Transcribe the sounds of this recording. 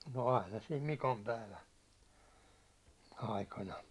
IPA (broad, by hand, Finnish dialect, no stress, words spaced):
no ɑinɑ sim mikompæiʋæn̞ ɑikɑnɑ